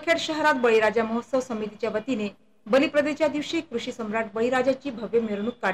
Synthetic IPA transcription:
kʰeʈɕəɦɾat̪̚bəɭiɾad͡ʑaməɦot̪səʋsəmit̪it͡ɕjaʋət̪ine | bəlipɾəd̪et͡ɕjad̪iʋɕikːɾuɕiːsəmɾaʈ̚bəɭiɾad͡ʑat͡ɕiːbʱəʋjəmeɾɳ̃uk̚kːa

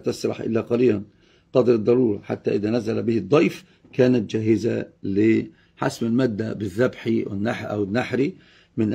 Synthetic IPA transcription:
t̪ɑsɾˤɑ̰ħʔɪ̰lːaqɑɾiːdan | qɑd̪ɾɨd̪ˤːɑɾuːɾˤɑħa̰t̪ːaʔɪðanazalabɪhɪd̪ˤːɑjf | kaːnat̪̚d͡ʒaɦɪzalɪ | ħa̰smɪlmad̪ːabɪðːabħiwɪ̰nːaħʔa̰wɪnːaħɾi | mɪnʔ

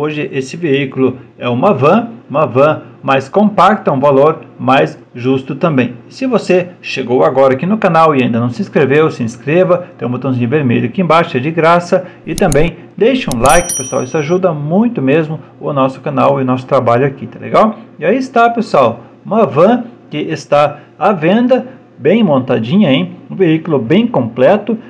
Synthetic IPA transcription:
oʒɪʔesɪveikʊlʊɛũmɐvɐ̃ũmɐvɐ̃majskõmpakt̪ɐũvaloɾmajs | ʒust̪ʊt̪ɐ̃mbẽj̃sɪvoseʃeɡowaɡɔɾɐakinʊkanawɪaĩd̪ɐnɐ̃sɪĩskɾevewsɪĩskɾevɐt̪ẽj̃bot̪ɐ̃w̃zĩɲ̃ʊ̃veɾmḛʎʊkɪẽbaʃɐd͡ʒɪɡɾasɐɪt̪ɐ̃mbẽj̃ | d̪ejʃɐũlajkɪpesuwa̰wisʊaʒud̪ɐmũj̃t̪ʊmezmʊʊnɔsʊ̥kanawɪʊnɔsʊ̥t̪ɾabaʎʊakit̪ɛlḛɡawɪaiɪst̪apeswaw | mɐvɐ̃kɪʔɪst̪a | avẽnd̪ɐ | bẽj̃mõnt̪ad͡ʒĩɲɐẽj̃ũveikʊlʊbẽj̃kõmplɛt̪ʊ

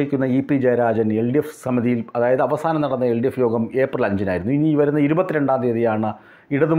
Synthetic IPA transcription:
ikʲːunːɐipːid͡ʑejɐɾaːd͡ʑɐne̞ɭɖijefsɐmiðijilɐðaːjɐðɨɐʋɐsaːnɐmnɐɽɐnːɐe̞ɭɖijefjo̞ːɡɐme̞ːpːrɨlɐɲd͡ʑina̰ːjiɾunːuiniʋɐɾunːɐiɾubɐt̪ːiɾe̞ɳɖaːnd̪iɐðijaːɳɨ | iɽɐðum

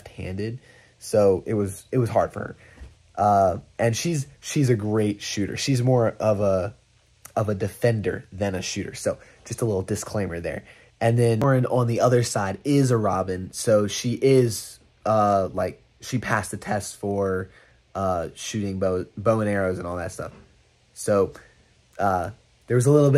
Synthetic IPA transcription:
ft̚hæ̰̃ndɪd̥̚ | soʊʔɪt̚wʌzɨt̚wʌz̥ɦɑɹd̥fə̰˞ə̰˞ | ʔʌʔɨ̃nʃizʃizɨɡɹeɪtʃʉɾə̰˞ʃizmɔɹʔʌvə | ʌvɨdɨfɛ̃ndə̰˞ðɨ̃nɨʃʉɾə̰˞soʊd̥ʒ̥ʌstəlɪɾl̩ˠdɨskʰl̥ẽɪ̃mə˞ðə̰˞ | ʔɨ̃nðɨ̃nɹɨ̃nə̃nðiʌðə˞saɪɾɪzəɹɑbɨ̃nsoʊʃiʔɪz̥ | ʌlaɪk̚ | ʃipʰæstðɨtʰɛstfə˞ | ʌʃʉɾɪ̃ŋboʊbõʊ̃nɛɹoʊzɨ̃nɔlˠðɨ̰tstʌ̰f | soʊ | ʌ | ðə˞wʌzəlɪɾl̩ˠbɪ

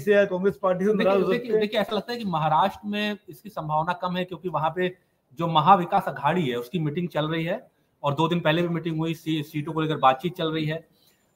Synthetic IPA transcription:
seɛkɔ̃ːŋɡɾespaːɾʈised̪eaeːkʰid̪eːkʰieɛːsalɐɡ̚t̪aɦɛkimɐɦaːɾaːʃʈɾəmẽɪskisɐ̃mbʱaːʋnakɐmɦɛkjõːkiʋɐɦãpe | d͡ʒoːmɐɦaʋɪkaːsɐɡʱaːɽiɦɛʊskimɪʈɪ̃ŋɡ̚t͡ʃɐlɾɐɦiɦɛː | ɔːɾd̪oːd̪ɪnpɛɦlebʱimɪʈɪ̃ŋɡɦʊisiːsiːʈõkoleːkəɾbaːt̪̚t͡ʃiːt̪̚t͡ʃɐlɾɐɦiɦɛː

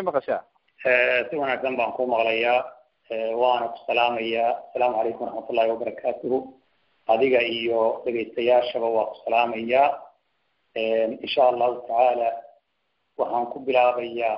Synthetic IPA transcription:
mɐqɐʃaː | ɛːsɪwɐnaːɡsɐmbaːŋkʰʊmɐqlɐjaː | ɛːwɑːnɐkʰʊ̥sɐlaːmɐjaːɐsɐlaːmʕɑlɛjkʰʊmrɑħmɐt̪ʰʊlːaːhɪwɐbɐɾˤɑkʰaːt̪ʰʊɦʊ | ʔɐðɪɣɐijɔɖɛɣɛjst̪ʰɐjaːʃɐβɐwɑːkʰʊ̥sɐlaːmɐjaː | ɛːnɪnʃaːʔɐlːaːhʊt̪ʰaʕaːlaː | wɑħɑːŋkʰʊbɪlaːβɐjaː

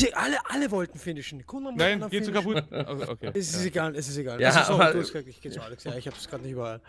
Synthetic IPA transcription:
əʔaləʔaləvɔltn̩fɪnɪʃn̩kʰʊnamnaɪnaɡeːsd̥uːkʰapʰʊtʔoo̰kʰḛːɛsɪseɡaːlɛsɪseɡaːlaːod̥uːastɡ̥əzaːktɪçɡ̥eːaːlɛksjaɪçhaːbə̥sɡ̥ʁaːdnɪçtyːbɐa̰l

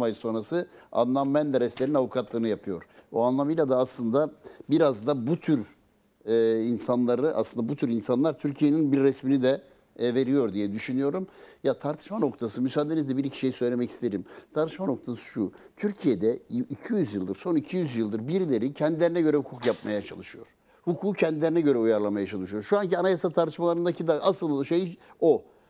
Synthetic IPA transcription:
majso̞nɾasɯa̰nlˠammɛnd̪ɛɾɛslʲe̞ɾinavukʰat̪lˠɯːnɯjapʰɯjo̞ɾ̥buanlˠamɯjlʲˠad̪aːslˠɯnd̪abiɾazd̪abut̪ʰyɾ | insanlˠaɾɯʔa̰slˠɯnd̪abut̪ʰyɾinsanlˠaɾt̪ʰyɾcʰije̞ninbiɾːɛsminid̪ɛ | ve̞ɾijo̞ɾd̪ijɛd̪yʃynyjo̞ɾumjat̪ʰaɾt̪ʰɯ̥ʃmano̞kt̪ʰasɯmysaːd̪enizd̪ɛbiɾicʰi̥ʃe̞jisø̞jlʲemɛci̥st̪ʰeɾimt̪ʰaɾt̪ʰɯʃmano̞kt̪ʰasɯ̥ʃu | t̪ʰyɾcʰije̞d̪ɛicʰijyzjɯlˠd̪ɯɾso̞nicʰijyzjɯlˠd̪ɯɾbiɾlʲe̞ɾicʰɛnd̪ilʲeɾinɛɟø̞ɾɛhukʰukjap̚majat͡ʃʰa̰lˠɯʃɯjo̞̰ɾ̥ | hukʰuːcʰɛnd̪ilʲe̞ɾinɛɟø̞ɾɛujaɾlˠamajat͡ʃʰalˠɯʃɯjo̞ɾʃuancianajasat̪ʰaɾt̪ʰɯ̥ʃmalˠaɾɯnd̪acʰid̪aʔaslˠɯlnd̪ʃejo

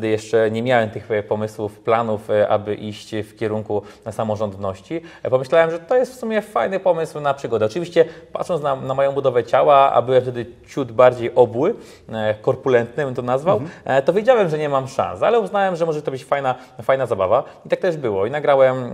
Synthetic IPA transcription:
d̪ɘjɛʂt͡ʂɛɲɛmʲjawɛmt̪ɘxpɔmɘswufplanufʔa̰bɘʔiɕt͡ɕfkʲɛɾuŋkusamɔʐɔnd̪nɔɕt͡ɕipɔmɘɕlawɛmʐɛt̪ɔjɛst̪fsumʲjɛfajnɘpɔmɘswnapʂɘɡɔd̪ɛɔt͡ʂɘvʲiɕt͡ɕɛpa̰t̪ʂɔnt̪nanamɔjɔ̃w̃bud̪ɔvɛt͡ɕawaa̰bɘwɛmft̪ɛd̪ɘt͡ɕud̪baɾd͡ʑejʔɔbwɘ | kɔɾpulɛnt̪nɨnt̪ɔnazvawt̪ɔvʲjed͡ʑawɛmʐɛɲɛmamʂã̰nsalɛuznawɛmʐɛmɔʐɛt̪ɔbɘt͡ɕfajna | fajnazabavait̪ak̚t̪ɛʐbɘwɔinaɡɾawɛm

